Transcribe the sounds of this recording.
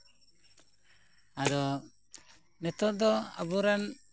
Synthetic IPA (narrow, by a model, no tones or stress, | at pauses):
ad̪ɔ | nɛt̪ɔd̪ɔa̰buɾan